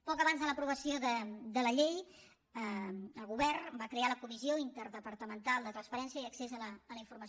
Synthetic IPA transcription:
pɔkəβanzðələpɾuβəsioðəd̪ələʎej | əəlˠɣuβɛrbakɾealəkumizioint̪əɾðəpəɾt̪əmənt̪alˠd̪ət̪ɾənspəɾɛnsjəiəksezələːləiɱfuɾməs

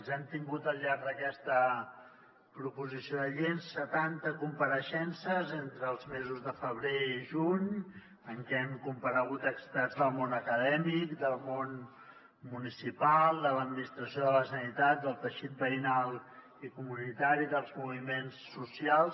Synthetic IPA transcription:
nzɛmt̪iŋɡut̪əlˠʎaɾd̪əkɛst̪ə | pɾupuzisioðəʎensːət̪ant̪əkumpəɾəʃɛnsəzent̪ɾəːlˠzmezuzðəfəβ̞ɾeiʒuɲ | əŋkɛɛmkumpəɾəɣut̪əkst̪azd̪əlˠmonəkəðɛmikd̪əlˠmon | munisipalˠd̪ələd̪̚minist̪ɾəsioðələsənit̪at̪̚d̪əlˠt̪əʃit̪̚bəinalˠ | ikumunit̪aɾiðəlˠzmuβimensːusialˠs

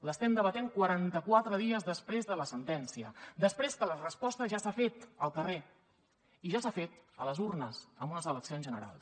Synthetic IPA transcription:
ləst̪ɛmd̪əβət̪eŋkwəɾant̪əkwat̪ɾəðiəzðəspɾezðələsənt̪ɛnsiəd̪əspɾeskələrəspɔst̪əʒasafet̪əlˠkəre | iʒasafet̪ələzurnəsəmbunəzələksionzʒənəɾa̰lˠs

